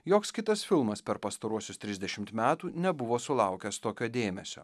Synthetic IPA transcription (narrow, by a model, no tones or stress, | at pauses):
joːkskʲɪt̪ɐsfʲɪlˠmɐspʲɛɾpɐst̪ɐɾuɔsʲʊst̪ʲɾʲɪzd̪ʲɛʃʲɪmt̪mʲæːt̪uːnʲɛbʊʋoːsʊlˠɑˑʊkʲɛst̪oːkʲoːd̪ʲeːmʲɛsʲo̰ː